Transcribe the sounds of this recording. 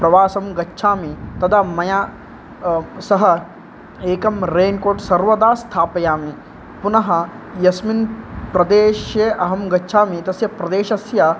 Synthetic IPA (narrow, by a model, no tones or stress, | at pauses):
pɾɐʋaːsɐmɡɐtːʃʰaːmit̪ɐd̪ʰamɐjaː | sɐɦɐ | eːkɐmɾeːnkoːʈsɐɾʋɐd̪aːst̪ʰaːpɐjaːmi | punɐɦɐ | jɐsminpɾɐd̪eːʃjeʔɐɦɐmɡɐːʃʰaːmit̪ɐsjɐpɾɐd̪eːʃɐsjɐ